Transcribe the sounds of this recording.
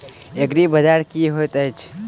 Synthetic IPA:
ekɾibəd͡ʒaɾkiɦot̪əjt͡ʃʰ

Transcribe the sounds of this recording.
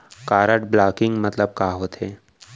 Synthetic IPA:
kaːɾəʈblaːkɪ̃ŋɡmɐt̪ləb̚kaːɦoːt̪eː

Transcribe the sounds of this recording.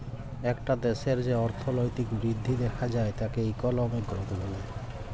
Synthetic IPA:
ɛkʈad̪eʃeɾd͡ʑeɔɾt̪ʰolojt̪ikbɾid̪ʱːid̪ɛkʰad͡ʑaet̪akeejkɔlɔmekːɾokobole

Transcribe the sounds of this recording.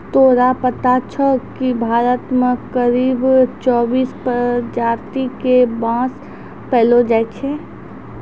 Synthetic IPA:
t̪oːɾapət̪at͡ʃʰəkibʱaːɾət̪mẽkəɾiːbt͡ʃɔːbiːspəd͡ʒaːɾt̪ikebãːs | pɛːlod͡ʒaːt͡ʃʰe

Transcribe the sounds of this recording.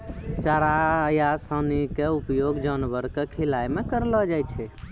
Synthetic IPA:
t͡ʃaɾajasənikeupjoɡd͡ʒənʋəɾkekʰilajmekəɾləd͡ʒajt͡ʃʰɛ

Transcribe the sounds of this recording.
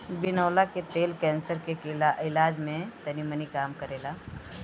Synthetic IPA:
bɪnɔːlaket̪eːlkɛ̃ːnsəɾkekɪlaʔɪlaːd͡ʒmẽt̪ɐnimənikaːmkɐɾeːlaː

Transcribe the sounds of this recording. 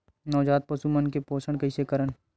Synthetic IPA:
nɔːd͡ʒaːt̪̚pɐsumənkepoːʃəɳ̃kɐisekəɾəɳ

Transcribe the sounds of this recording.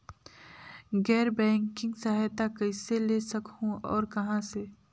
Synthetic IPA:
ɡɛːɾbɛ̃ːŋkɪ̃ŋɡsɐɦajt̪akɐɪselesɐkhũɔ̰ːɾkɐɦãse

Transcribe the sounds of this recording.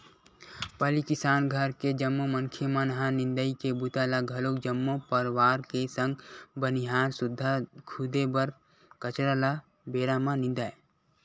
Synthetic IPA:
pəlikɪsaːnɡʱəɾked͡ʒəmːoməŋkʰemanɦãnɪnd̪əikebut̪alaɡʱɐlokd͡ʒəmːopəɾwaːɾkesə̃ŋɡbəniɦaːɾsʊd̪ʱːakʰud̪ebəɾ | kət͡ʃɾala | beːɾamãnɪ̃nd̪aje

